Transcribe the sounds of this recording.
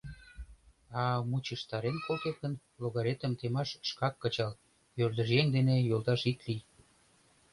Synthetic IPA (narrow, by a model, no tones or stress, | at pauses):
ɑmut͡ɕəʃt̪ɑɾenkolket̪̚kən | loɣɑɾet̪ə̆mt̪emɑʃʃkɑkːə̆t͡ɕɑl | jørd̪ə̆ʒjeŋd̪enejolˠt̪ɑʃit̪lij